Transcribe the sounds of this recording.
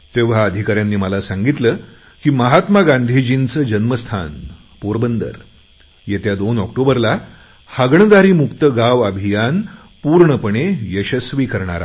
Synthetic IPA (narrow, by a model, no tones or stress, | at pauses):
t̪eʋ̤aəd̪ʱikaɾjanːiːməlasãŋɡit̪ləː | kiːməɦat̪maɡand̪ʱiːd͡ʑint͡səd͡ʑənməst̪ʰa̰n | poɾbənd̪ə̰ɾ | jet̪jad̪onɔkʈobəɾla | həɡɳəd̪aɾiːmukt̪əɡaʋəbʱijan | puɾɳəpəɳejəɕəsʋiːkəɾɳ̃a̰ɾa̰